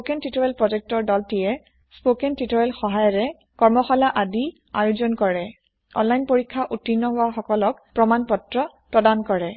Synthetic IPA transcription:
sokɛntitɔɹɛlpɹɔd͡ʒɛk̚tɔɹdɔltijɛ | spokɛntitɔɹɛlxɔɦajɔɹɛ | kɔɹmɔxɔlaʔadi | a̰juzɔnkɔɹɛ | ɔ̰nlajnpoɹikʰːaʔutːinːɔɦoaxɔkɔlɔk̚pɹɔmanpɔtɹɔ | pɹɔdankɔɹɛ

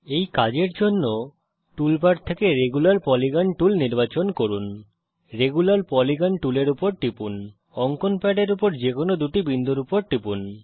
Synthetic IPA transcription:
ejkad͡ʑeɾd͡ʑonːo | ʈulpaʈt̪ʰekeɾeɡulaɾpɔliɡanʈulniɾbat͡ɕonkoɾun | ɾeɡulaɾpɔliɡanʈuleɾupoɾʈipun | ɔŋkonpɛɖeɾupoɾd͡ʑekonod̪uʈibind̪ʱuɾupoɾʈipun

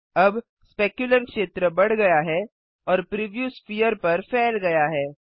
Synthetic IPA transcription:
ɐb | speːkjʊləɾkʃeːt̪ɾəbɐɽ̤ɡɐjaɦɛː | ɔːɾpɾiʋjuːsfiːjəɾpɐɾfɛːlɡɐjaɦɛː

